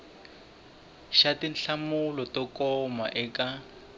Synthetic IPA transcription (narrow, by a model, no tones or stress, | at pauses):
ʃatinɬamulɔtɔkɔma̰ʔɛka